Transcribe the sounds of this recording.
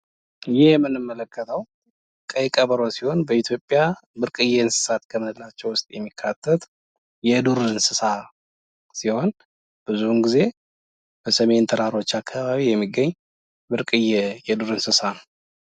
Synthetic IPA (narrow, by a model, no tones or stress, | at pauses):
jɪhjɛmːɨnːɨmːələkʰːət̪ʰəw | kʼəjkʼəβəɾosiho̞nbəit̪ʰjo̞pʼːjabɨɾkʼɨjɛɨnsɨ̥sat̪kʰəmɨnɨlːat͡ʃːɛwʊst̪ʼjɛmːikʰːat̪ʰːət̪ | jɛd̪uɾɨɨnsɨsa | siho̞n | b̥ɨzumɡize̞ | b̥əsəme̞nt̪ʰəɾaɾo̞t͡ʃːakʰːaβaβijɛmːiɡːəɲː | bɨɾkʼɨjːɛjɛd̪uɾɨnsɨsanə